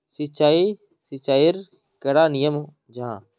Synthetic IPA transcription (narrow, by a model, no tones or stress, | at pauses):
sɪt͡ʃaːi | sɪt͡ʃaːɪɾ | kəɽaːnɪjəm | d͡ʒʱãː